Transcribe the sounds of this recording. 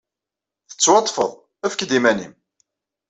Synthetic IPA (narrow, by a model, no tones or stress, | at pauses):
θə̥t͡sːwɑt̪ˤːfə̰ðˤ | æfkd̪imænḭm